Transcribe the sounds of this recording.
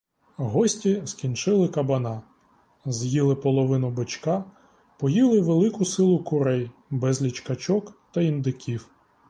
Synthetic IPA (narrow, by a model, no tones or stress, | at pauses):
ɦɔsʲtʲiskʲint͡ʃɪlˠɪkɐbɐnɑ | zjilˠɪpɔlˠɔʋɪnʊbɪt͡ʃkɑ | pɔjilˠɪʋelˠɪkʊsɪlˠʊkʊɾɛjbɛzlʲit͡ʃkɐt͡ʃɔkt̪ɐind̪ɪkʲiw